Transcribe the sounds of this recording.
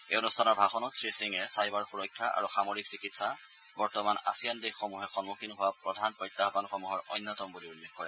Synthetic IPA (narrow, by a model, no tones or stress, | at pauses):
eonustʰanɔɹbʱaxɔnɔtsɹisiŋɛsajbaɹxuɹɔjkʰːaʔa̰ɹuxamoɹiksikitsa | bɔɹtɔmana̰sijandexxɔmuɦɛxɔnmukʰinɦʊwapɹɔdʱanpɔjtːaɦɔbanxɔmuɦɔɹɔ̰jnːɔtɔmbuliulːexkɔɹɛ